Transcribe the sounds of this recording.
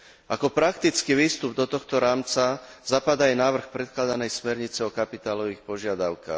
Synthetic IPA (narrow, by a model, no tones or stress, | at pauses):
ʔakɔpɾakt̪it͡skiʋiːst̪ub̚d̪ɔt̪ɔxt̪ɔɾaːmt͡sazapad̪aɛnaːʋr̩xpɾɛt̪̚klad̪anɛjsmɛɾɲit͡sɛɔkapit̪aːlɔʋiːxpɔʒɪad̪aʊka̰ːx